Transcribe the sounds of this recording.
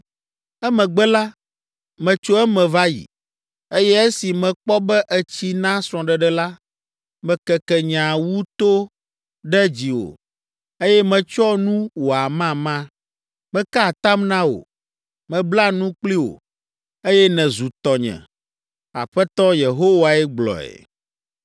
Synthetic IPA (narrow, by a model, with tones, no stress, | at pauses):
ɛ˦mɛ̃˨ɡ͡bɛ˦la˦ | mɛ̃˨t͡ʃo˦ɛ˦mɛ̃˨va˦jḭ˨ | e˦jɛ˦ɛ˦si˨mɛ̃˨k͡pɔ˦bɛ˦ʔɛ˦t͡ɕi˦nã˦sɾ̃ɔ̃˨ɖɛ˨ɖɛ˦la˦ | mɛ̃˨kɛ˨kɛ˨ɲã˨wu˦t̪o˦ | ɖɛ˦d͡ʑi˨wo̰˨ | e˦jɛ˦mɛ̃˨t͡ʃɔ˦nũ˦wo˨a˨mã˦mã˦ | mɛ̃˦ka˦˨t̪a˦mnã˦wo̰˨ | mɛ̃˨bla˦nũ˦k͡pli˦wo̰˨ | e˦jɛ˦nɛ̃˨zu˨t̪ɔ˨ɲɛ̰̃˨ | a̰˨ɸɛ˦t̪ɔ˦je˨ɦo˦wa˨ɛ˦ɡ͡blɔ̰˨ɛ̰˨